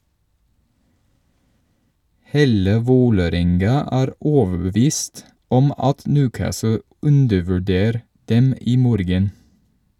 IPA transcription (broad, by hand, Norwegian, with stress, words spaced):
ˈheːlə ˈʋoːləˌɾɛŋɡɑ ˈʔæːɾ ˈoːʋəbəˌʋiːst ˈɔm ˈɑt ˈnʉːˌkæːsl̩ ˈʉndəʋʉˌɖeːɾ ˈdɛm ˈiː ˈmoːɾɡən